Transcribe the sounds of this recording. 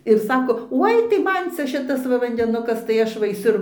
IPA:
ɪr ˈsɑːkoː ˈoːɪ tɐɪ ˈmɐn ˈt͡sʲɛ ˈʃʲɪtɐs ˈʋɐ ʋɐnʲdʲɛˈnʊkɐs tɐɪ ˈɐʃ ʋɐ ɐɪˈsʲʊ

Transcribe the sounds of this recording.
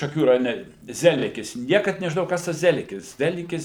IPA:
ʃɐˈkʲuː rɐjoːˈnʲɛ ˈzʲæːlʲɪkʲɪs ˈnʲiɛkɐt nʲɛʒʲɪˈnoːjɛʊ ˈkɐs tɐs ˈzʲæːlʲɪkʲɪs ˈzʲæːlʲɪkʲɪs

